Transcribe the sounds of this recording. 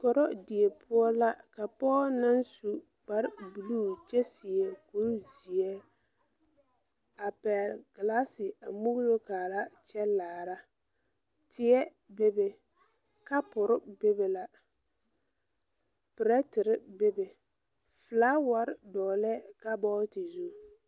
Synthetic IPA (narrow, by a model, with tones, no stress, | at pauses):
kɔ˨ɾɔ˦dɪ˨e˨pʰʊ˦ɔ˦la˦ka˨pɔː˦na˦nsu˨ | k͡pa˨ɾbu˨luː˦t͡ʃɛ˦sɪ˨ɛ˨ko˦ɾzi˨ɛ˦ | a˨pɛ˨lɡ̥ɪ˨la˦sɪ˨a˨mu˦ɡlo˦kaː˨ɾa˦t͡ʃɛ˦laː˨ɾa˦ | tʰɪ˦ɛ˦ | be˦be˨ | ka˦pʊ˨ɾɪ˦be˦be˨la˨ | pɪ˨ɾɛ˦tɪ˨ɾɪ˦be˦be˨ | fɨ˨laː˦wa˨˦ɾɪ˦dɔː˨lɛ˦ka˦bɔː˦tɪ˨zu˦˨